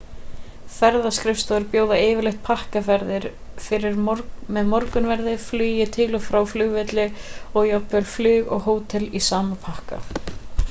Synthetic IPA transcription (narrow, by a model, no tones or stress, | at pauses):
fɛɾðaskɾɪfst̪aðʏɾpjoːwðaɪːvɪɾlɪxt̪̚pʰahkafɛɾðɪɾ̥ | fɪɾɪɾmɛðmɔɾkʏnvɛɾðɪflyːjɪt̪ʰɪlɔfɾawflʏːɣvɪt̪lɪɔɣjɔpœlflʏːɣɔ̰ɣɦoːwt̪ʰɛlisaːmapʰahka̰